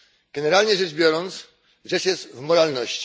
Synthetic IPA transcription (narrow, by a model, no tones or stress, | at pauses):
ɡ̥ɛnɛɾalɲɛʐɘʐbʲjɔɾɔnt̪s | ʐɛʂjɛst̪vmɔɾalnɔɕt͡ɕi̥